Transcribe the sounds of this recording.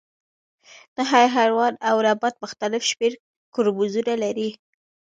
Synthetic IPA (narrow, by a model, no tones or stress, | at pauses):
naɦɑjɦaɾwɑnawɾabat̪̚mʊxt̪alɪfʃmeɾ | kʊɾbuzunalaɾi